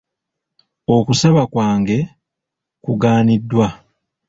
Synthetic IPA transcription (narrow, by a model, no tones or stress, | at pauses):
o̞kusaβakwaːŋɡe̞ | kuɡaːnidːwa